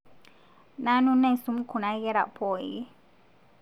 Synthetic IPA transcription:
na˦nu˦nɛ˦˨su˦m̩˦kʰu˨na˦ɣɛ˦ɾa̰˨pʰɔ˨ji˦

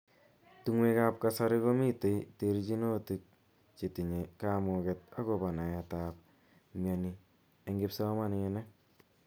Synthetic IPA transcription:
tuŋwe˦ka˦p̚kasa˦ɾɪ˦ko˦mi˦te˨jteɾit͡ʃi˦no˦ti˨k̚ | t͡ʃi˨ti˨ɲe˨kamokɛt̚a˦kɔba˨na˨jatap̚ | mja˨ni | e˨ŋɡe˦psa˦ma˦nɛnɛ˦

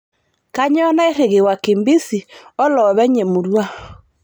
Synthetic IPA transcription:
ka˦ɲɔ˦na˦e˦ɾe˨ɣe˨wa˨ke˨mbi˦si˨ɔ˦lɔ˨βɛ˦ɲe˨mu˨ɾwa˦

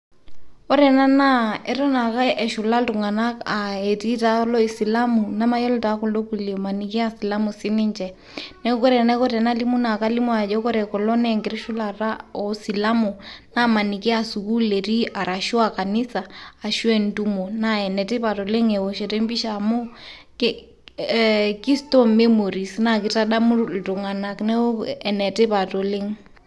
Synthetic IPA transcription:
ɔ˦ɾɛ˨na˦na˦ɛ˨ɾɔ˦na˨ka˦ʔɛ˨ʃu˨la˦tu˨ŋa˨na˦a˨e˨ti˦ta˦lɔ˦i˨si˨la˦mu˨na˦ma˦jɔ˦lɔ˦ta˨kɔ˨lo˦ku˨li˨ma˨ni˨ki˦a˦si˨la˦mu˨si˦ni˦nd͡ʒɛ˨ | nɛ˦kɔ˦ɾɛ˨na˦kɔ˦ɾɛ˨na˦li˦mu˦na˨ka˦li˦mu˦a˨d͡ʒɔ˦kɔ˦ɾɛ˨kɔ˨lɔ˦nɛŋɡɛ˨ɾi˦ʃu˦laɾa˦ɔ˨si˨la˦mu˨na˦ma˨ni˨kɪ˦a˨su˨ku˦le˨ɾi˦a˨ɾa˨ʃu˦a˨ka˨nɪ˦saː˨ʃwɛ˦ndu˦mo˨na˦ɛ˨nɛ˨tɪ˦pa˨to˨le˦ŋɛ˨wɔ˨ʃɛ˨te˦mbi˦ʃa˨mo˦ | ki˦stɔ˦me˦mo˨ɾi˨sna˦kɪ˨ta˦ɗa˦mu˦lto˨ŋa˨na˨knɛ˦o˦ɛ˨nɛ˨te˦pa˨to˨le˦ŋ

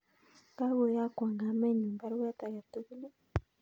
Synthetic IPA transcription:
ɡa˦βo˨ja˦kwaː˨ŋɡa˨meː˦˨ɲuː˨mba˦ɾwe˦a˦ta˨ja˨tu˦βu˦ne˦

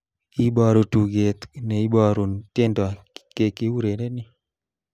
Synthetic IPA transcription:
i˦bɔ˨ɾo˨tu˨ɡe˨t̪nɛ˨i˦bɔ˦˨ɾu˨nte˦ndɔ˨a˨ | ke˨kɪ˦wu˦ɾe˨ne˦nɪ˦

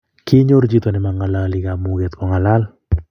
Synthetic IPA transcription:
ki˦ɲo˦ɾd͡ʒi˦t̪o˨nɛ˨ma˨ŋa˨laliɡa˨mu˨ɡe˨t̪kɔ˨ŋa˨la˦l

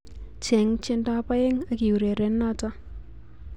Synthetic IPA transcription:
t͡ʃɛ˨˦ŋt͡ʃɪ˦nda˦pa˦e˦ŋa˨ki˨u˨ɾe˨ɾɛ˨˦nːa˦ta˦

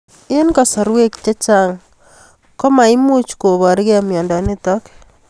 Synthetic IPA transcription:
ɪ˦nkɔ˨sɔ˨ɾwe˦kt͡ʃe˦t͡ʃa˦ŋ | kɔ˦ma˨i˦mu˦t͡ʃko˨βɔ˨ɾɪ˦ke˦a˨mjɔ˨ndɔ˨nɪtɔ˦k

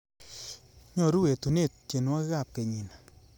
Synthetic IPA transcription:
ɲɔ˨ɾu˦we˨tu˨ne˦˨t̚t͡ʃe˨nwa˦kɪ˦ka˦˨p̚ke˨ɲi˨n

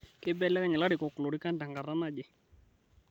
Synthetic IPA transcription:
ke˦bɛ˦lːɛ˦ka˦ɲɛ˨la˦ɾɪ˨kɔ˨klo˨ɾɪ˦ka˦nda˨ŋɡa˨ra˦na˦d͡ʒɛ˨

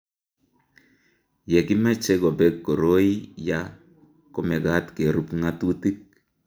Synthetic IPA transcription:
jɛ˨ki˦ma˦t͡ʃɛ˦ko˨bɛ˦kːo˨ɾo˦i˦ja˦ | ko˦mɛ˨ɡa˦tke˨ɾu˦pŋa˦tu˦ti˦k̚

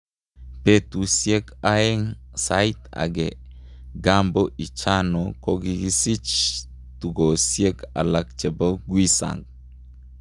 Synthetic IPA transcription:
pe˦t̪u˨sje˦ka˦e˦ŋsajt̪a̰˨ɡe˨ | ɡambo˦ʔi˨t͡ʃa˦noko˦ɡiɡi˦si˦t͡ʃ | t̪u˨ɡo˨sje˦ɡa̰˨la˨k̚t͡ʃe˨boɡwi˦sa̰˨ŋɡ

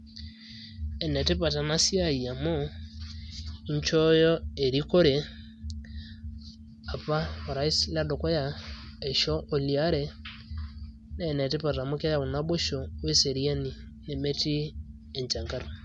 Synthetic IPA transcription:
ɛ˨nɛ˨te˦pa˨ta˨na˦sja˦i˨a˨mo˦ | i˦ɲt͡ʃɔ˦jɔ˦e˨ɾi˦ko˦ɾe˨ | a˨pa˦o˨ɾa˨i˦sla˦do˨kɔ˦ja˨ɛ˨ʃɔ˦ʔo˨li˨a˦ɾɛ˨ | nɛ˦˨nɛ˨te˦pa˨ta˨mo˦kɛ˦ja˨βo˨na˦βo˦ʃo˨we˦se˨ɾja˦ni˨ | ne˨me˦ti˦ | ɛ˨ɲt͡ʃa˨ŋɡa˦ɾo˨

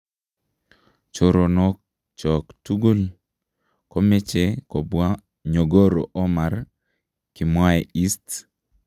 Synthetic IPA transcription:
t͡ʃo˨ɾo˨nɔ˦k̚ | t͡ʃɔ˨ktu˦ɡu˦l | kɔ˦me˦t͡ʃe˨kɔ˨bwa˦ | ɲo˨ɡo˦ɾo˨ʔɔ˦ma˨ɾ | ki˨mwa˦ɛ˨i˦st

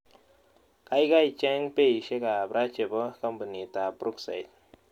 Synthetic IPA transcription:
ka˦jɡa˦jt͡ʃɛ˦ŋpe˦jʃe˦ka˨bɾa˦t͡ʃe˨bə˦ka˦mpə˨ni˨t̪a˨bɾu˦ksa̰˨jt̪̚

